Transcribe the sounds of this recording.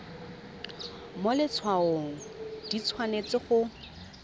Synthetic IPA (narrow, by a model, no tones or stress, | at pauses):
molɪt͡sʰwaoŋ̩d̥it͡sʰwanet͡sɪχʊ